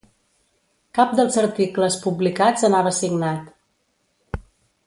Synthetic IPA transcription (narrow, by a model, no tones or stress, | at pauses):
kap̚d̪əlˠzəɾt̪ikləspublikad͡zənaβəsiɡnat̪